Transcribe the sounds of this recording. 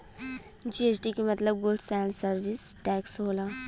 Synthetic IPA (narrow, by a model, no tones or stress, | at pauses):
d͡ʒiet͡ʃʈikemɐt̪ləb̚ɡʊlɖsɛ̃ːɳɖsəɾʋisʈɛːksɦoːlaː